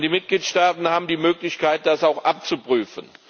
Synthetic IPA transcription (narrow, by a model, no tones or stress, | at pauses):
diːmɪt̚ɡ̥liːtʃtaːtn̩haːbm̩diːmøːklɪçkʰaɪt̚d̥asaʊxʔap̚t͡supʁ̥yːfən